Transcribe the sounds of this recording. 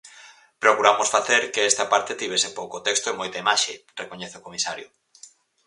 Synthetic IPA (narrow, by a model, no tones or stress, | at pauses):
pɾokuɾamosfaθeɾkeɛst̪apaɾt̪et̪iβ̞esepowkot̪ɛkst̪oemojt̪aimaʃerekoɲeθokomisaɾjo̰